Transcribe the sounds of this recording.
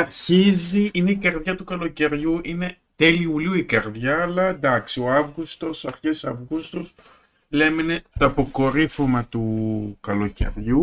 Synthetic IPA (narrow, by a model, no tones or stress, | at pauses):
ɐɾçiziine̞ikɐɾðʝɐt̪ukɐlo̞ce̞ɾʝuʔine̞ | t̪eliuliuikɐɾðʝɐːlɐend̪ɐksio̞ɐvɣust̪o̞sɐɾçesɐvɣust̪os | le̞menet̪oɐpo̞ko̞ɾifomɐt̪ukɐlo̞cḛɾʝu